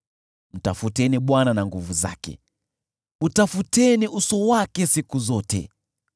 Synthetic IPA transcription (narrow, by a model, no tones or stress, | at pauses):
m̩tafutɛniɓwananaŋɡuvuza̰kɛ̰ | utafutɛniʔusɔwakɛsikuzɔtɛ̰